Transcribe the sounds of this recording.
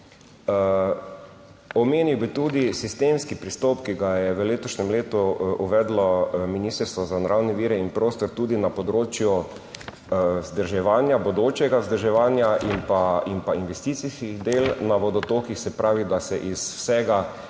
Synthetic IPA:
ɔmeːniwbit̪ud̪isist̪emskipɾist̪ɔpkiɡajɛʋəleːt̪ɔʃnɛmleːt̪uuʋɛːd̪lɔminiːst̪əɾst̪ʋɔzanaɾʔawnɛʋiːɾɛinpɾoːst̪ɔɾt̪uːd̪inapɔd̪ɾoːt͡ʃju | zd̪əɾʒɛʋaːnjabɔd̪oːt͡ʃɛɡazd̪əɾʒɛʋaːnjaʔinpainpainʋɛst̪it̪siskiɣd̪eːlnaʋɔd̪ɔt̪oːkixsɛpɾʔaːʋid̪asɛʔiswsɛɡa

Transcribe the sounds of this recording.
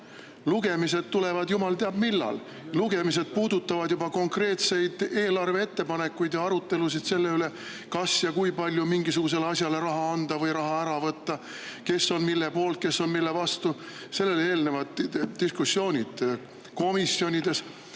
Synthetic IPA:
luɡe̞mise̞d̪̥t̪ule̞vɑd̪jumɑlt̪e̞ɑbmilːɑ̰l | luɡe̞mis̬e̞d̪̥̚puːd̪̥ut̪ːɑvɑd̪jubɑko̞ŋkre̞ːt̪se̞jd̪̥e̞ːlɑrvee̞t̪ːe̞pɑne̞kːˑujd̪jɑɑɾut̪ˑːe̞lusid̪̥se̞lːe̞yle̞ | kɑsjɑkujpɑlʲjumiŋɡisuɡ̥us̬e̞leɑsʲjɑle̞ɾɑɦɑɑnd̪̥ɑvɤjɾɑɦɑæɾɑvɤt̪ːɑ | ke̞so̞nmilːe̞po̞ːlt̪̚ke̞sːo̞nmilːe̞vɑst̪u | se̞lːe̞le̞ːlne̞vɑt̪ːiskusːjo̞ːnʲid̪̥ | ko̞misjo̞nʲid̪̥e̞s

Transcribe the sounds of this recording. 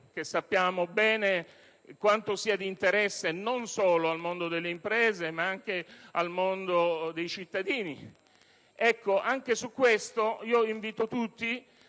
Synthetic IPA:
k̟esːapːjaːmobɛːne | kwant̪osiːad̪iːnt̪eɾɛsːenonsoːloalmond̪od̪elːeimpɾɛːzemaaŋk̟ealmond̪od̪ejt͡ʃit̪ːad̪iːni | ɛkːoʔaŋkesukːwest̪oiːoiɱviːt̪ot̪ut̪ːi

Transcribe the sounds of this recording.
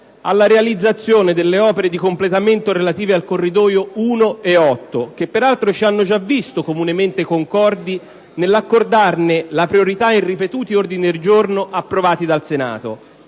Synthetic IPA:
alːaɾealid̪zːat̪sːjoːned̪elːeɔːpeɾed̪ikomplet̪ament̪oɾelat̪iːvealkorːid̪ɔːjouːnoeɔt̪ːok̟epːeɾalt̪ɾot͡ʃianːod͡ʒavːist̪okomunement̪ekoŋkɔrd̪i | nelːakːord̪arnelapɾioɾit̪ainripet̪uːt̪iord̪inid̪eld͡ʒornoʔapːɾovaːt̪id̪alsena̰ːt̪o̰

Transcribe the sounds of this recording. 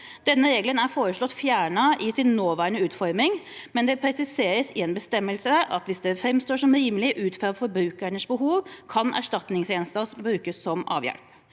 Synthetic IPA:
d̪̥ɛnːəɾeːɡlənæɾfoːɾəʂlɔt̪ːfjæːɳɑɪsɪnːoːʋæːɾəɳəʉːt̪fɔɾmɪŋmɛnd̪ɛpʰɾɛsɪseːɾəsɪɛnbəst̪ɛmːəlsəʔɑt̪ʋɪsd̪ɛfɾɛmst̪oːʂɔmɾiːməlɪʔʉːt̪fɾɑʋfɔɾbɾʉːkəɳəsbəɦuːʋkʰɑnʔæ̰ʂʈɑt̪nɪŋseːnst̪ɑsbɾʉːkəsːɔmɑ̰ːʋjɛ̰lp

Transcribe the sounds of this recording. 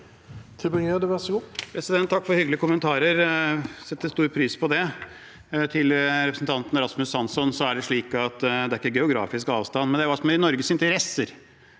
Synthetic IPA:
t̪ʰɾɪbɪnøːd̪ɛʋɛspʰɾɛsɪd̪ɛnt̪ʰːɑkːfɔɾhʏɡlɪəkʊmənt̪ʰɑːɾəɾsɛt̪ːəst̪uːɾpʰɾyːspʰɔd̪ɛ | t̪ʰɪlɾɛpɾəsn̩t̪ʰɑnt̪nɾɑsmʉsːɑnsɔnsɔæɖɛʂɭiːkɑt̪d̪ɛæɾɪkːəɡɛʊɡɾɑ̰ːfɪskɑːʋst̪ɑnːmɛnd̪ɛːʋɑːsɔmæɾɪnɔɾɡəsɪnt̪əɾɛsəɾ

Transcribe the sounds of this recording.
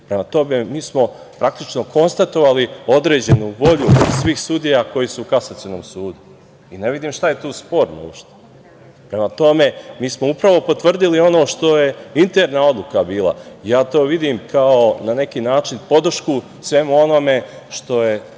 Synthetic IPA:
pɾe̞mat̪o̞me̞miːsmo̞ | pɾak̚t̪it͡ʃno̞ko̞nst̪at̪o̞ʋalio̞d̪ɾeːd͡ʑe̞nuʋo̞ʎusʋiːxsud̪ijako̞jisuːkasat̪ijonoːmsuːd̪u | ine̞ʋid̪iːmʃt̪aje̞t̪uːspo̞ɾno̰uʃt̪e̥ | pɾe̞mat̪o̞me̞miːsmoupɾaʋo̞po̞t̪ʋr̩d̪ilio̞no̞ːʃt̪o̞je̞int̪eɾnao̞d̪lˠukabiːlˠa̰ijaːt̪o̞ːʋid̪imkʰaonane̞kiːnaːt͡ʃinpo̞d̪r̩ʃku | sʋe̞muo̞no̞me̞ʃt̪o̞je

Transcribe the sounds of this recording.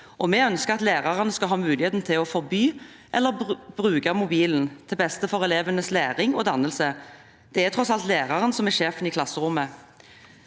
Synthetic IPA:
ʔɔmɛœnskəʁɑt̪læːʁɑʁənəskɑlɦɑːmʉːlɪheːt̪n̩t̪ʰɪlɔfɔʁbyː | ʔɛlːəb̥ʁʉːɡɑmʊbiːln̩t̪ʰɪlbɛst̪əfɔʁɛleːʋənəslæːʁɪŋod̪ɑnəlsə | d̪̥ɛæt̪ʰʁɔsɑlt̪læːʁɑʁənsɔmɛɾʂeːfəniːkʰlɑsːəʁʊmːə

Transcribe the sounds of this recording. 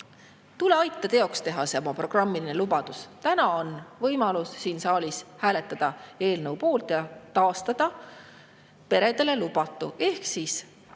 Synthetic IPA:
t̪ule̞ɑjt̪ːˑɑt̪e̞o̞kst̪e̞ɦɑseomɑpro̞ɡ̥rɑmːiline̞lubɑd̪̥ust̪ænɑo̞nvɤjmɑlusːiːnsɑːlʲishæːle̞t̪ˑːɑd̪̥ɑe̞ːlnɤwpo̞ːlt̪jɑt̪ɑːst̪ɑd̪̥ɑ | pe̞ɾe̞d̪̥e̞le̞lub̥ɑt̪ːˑuʔe̞hksis

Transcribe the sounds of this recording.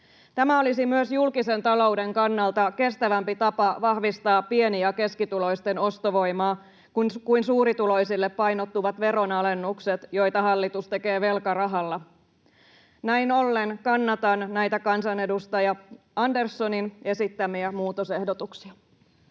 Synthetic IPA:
t̪æmæo̞lisimyøsjulkise̞nt̪ɑlo̞wde̞ŋkɑnːɑlt̪ɑke̞st̪æʋæmpit̪ɑpɑʋɑhʋist̪ɑːpie̞niɑke̞skit̪ulo̞jst̪e̞no̞st̪oʋo̞jmɑː | kunkuinsuːɾit̪ulo̞jsilːepːɑjnot̪ːuʋɑt̪ʋe̞ɾo̞nɑle̞nːukset̪jo̞jt̪ɑɦɑlːit̪ust̪e̞ke̞ːʋe̞lkɑrɑɦɑlːɑ | næjno̞lːenkɑnːɑt̪ɑnnæjt̪ækɑnsɑne̞dust̪ɑjɑ | ɑndersːo̞nine̞sit̪ːæmiæmuːt̪ose̞hdot̪uksiɑ

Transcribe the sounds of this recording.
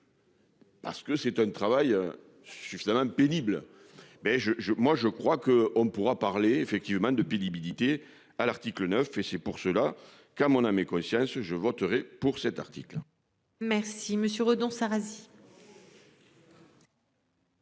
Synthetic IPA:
pa̰ʁsə̥kəsɛt̪ɛ̃nt̪χavajø | syfizamɑ̃peniblə | bɛʒəʒəmwaʒəkχwakəɔ̃mpuʁapaʁleefɛk̚t̪ivəmɑ̃d̪əpenibilit̪e | alaʁt̪iklənœfesɛpuʁsəla | kɑ̃mɔ̃namekɔ̃sjɑ̃sʒəvɔt̪əʁɛpuʁsɛt̪a̰ʁt̪iklə | mɛʁsiməsjøʁod̪ɔ̃saʁazi

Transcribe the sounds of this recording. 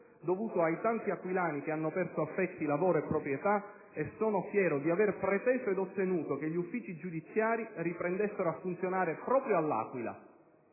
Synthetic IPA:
d̪ovuːt̪oajt̪ant̪iakːwilaːnikeanːopɛrsoafːɛt̪ːilavoːɾoepːɾopɾjet̪a | esːoːnofjɛːɾod̪iaverpɾet̪ɛːzoed̪ot̪ːenuːt̪okeʎːufːiːt͡ʃid͡ʒud̪it̪sːjaːɾiripɾɛnd̪esːeɾoafːunt̪sjonaːɾepɾɔːpɾjoalːa̰ːkwila̰

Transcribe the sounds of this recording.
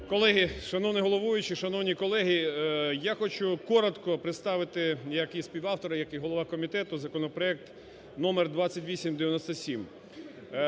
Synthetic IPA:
kɔlˠɛɦiʃɐnɔwnʲɪɦɔlˠɔʋujʊt͡ʃɪʃɐnɔwnʲikɔlˠɛɦijaxɔt͡ʃʊkɔɾɔt̪kɔpɾɪt̪st̪ɑʋɪt̪ɪjɐkisʲpʲiwɑwt̪ɔɾɐjɐkiɦɔlˠɔʋɑkɔmʲit̪ɛt̪ʊzɐkɔnɔpɾɔɛk̚t̪ | nɔmerd̪ʋat͡sʲːɐtʲʋʲisʲimd̪eʋʲjɐnɔsʲt̪ɐsʲim

